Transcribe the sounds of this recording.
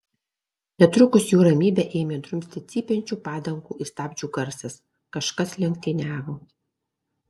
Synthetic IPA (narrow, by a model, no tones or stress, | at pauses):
nʲɛt̪ɾʊkʊsjuːɾɐmʲiːbʲɛʔeːmʲeːd̪ɾʊmʲsʲt̪ʲɪt̪sʲiːpʲɛnʲt͡ʃʲuːpɑːd̪ɐŋkuːʔist̪ɑːbʲd͡ʒʲuːɡɐɾʲsʲɛs | kɐʃkɐslʲɛŋkt̪ʲɪnʲæːʋoː